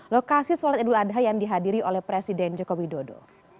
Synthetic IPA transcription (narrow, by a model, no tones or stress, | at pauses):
lokasisɔlat̪̚idʊladɦajaŋdiɦadiɾiʔolɛhpɾesidɛnd͡ʒɔkowidodo̰